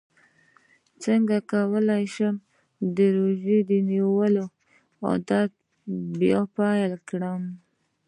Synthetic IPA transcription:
t͡səŋɡakawəlajʃəm | d̪əɾoʒed̪əniwəlo | o̰d̪ɑd̪̚ | bjɑpɑjalkɽəm

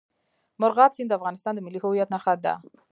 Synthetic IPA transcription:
mʊɾɣɑbsind̪əafɣɑnɪst̪ɑnd̪əmɪlːihʊwijat̪naxat̪̚d̪a̰

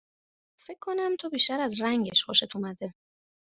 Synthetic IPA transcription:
fekʰːonæmt̪ʰobiːʃt̪æɾæzɾæŋɟeʃxoʃet̪ʰumæd̪e̞

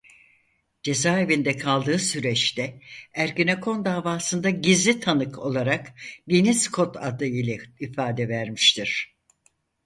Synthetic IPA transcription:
d͡ʒe̞zaːevind̪ɛkʰalˠd̪ɯːsyɾɛt͡ʃt̪ɛæɾɡinakʰo̞nd̪aːvaːsɯnd̪aɟizlʲit̪ʰanɯkʰo̞̰lˠaɾakd̪iniskʰo̞t̪ʰa̰d̪ɯilʲɛifaːd̪ɛvæɾmiʃt̪ʰiɾ̥

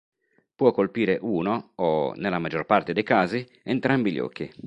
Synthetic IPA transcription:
pwɔkːolpiːɾeʔuːnoːnelːamad͡ʒorpart̪ed̪ejkaːzi | ɛnt̪ɾambiʎɔ̰ːk̟ːi

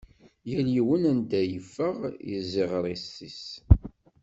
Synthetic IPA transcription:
jæljiwənænd̪æjəfːəʁjḭziʁɾˤisːis

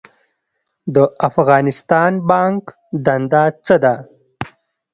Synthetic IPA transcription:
d̪əʔafɣɑːnɪst̪ɑːnbɑŋk | d̪and̪at͡səd̪a

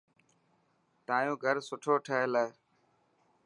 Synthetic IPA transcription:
t̪aːjõːɡʱəɾsʊʈʰoːʈʰəɦeləː

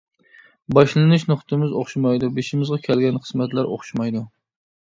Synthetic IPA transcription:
bɑʃlˠɨnɨʃnʊχt̪ʰɨmɪzoχʃimɑjd̪ubeʃimɪzʁɑkʲʰɛlɡʲɛnχʰə̥smɛt̪læɾo̰χʃmɑjd̪u

